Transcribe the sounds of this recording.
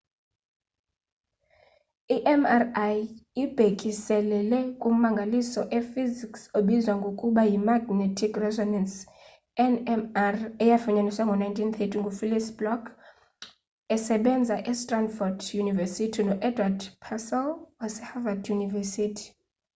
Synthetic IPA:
iʔɛmarajib̥ʱekʼisɛlɛlɛkʼumaŋɡʱalisɔʔɛfiziksoɓizwaŋɡʱokʼuɓajimaɡnɛtʰikʰrɛzɔnɛns | ɛnɛmarɛjafuɲaniswaŋɡʱɔnajntʰinθʰɛtʰiŋɡʱufilisblɔkʰ | ɛsɛɓɛnd͡zʱaʔɛstʼranfɔdjunivɛsitʰinɔʔɛdʱwadpʰasɛlwasɛhavadjunivɛsitʰi̥

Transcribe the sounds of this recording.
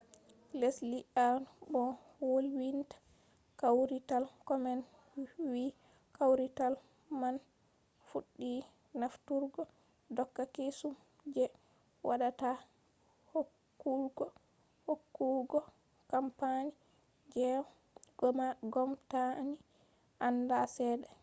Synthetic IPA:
lesliʔanbɔ | wolwintḁ | kawɾitalkɔmɛn | wi | kawɾital | man | fuɗːi | naftuɾɡɔ | dɔkːakesum | d͡ʒɛ | waɗata | hokːulɡɔ | hokːuɡɔ | kampani | d͡ʒɛw | ɡɔmaɡɔmtani | ʔandasɛːdɛ

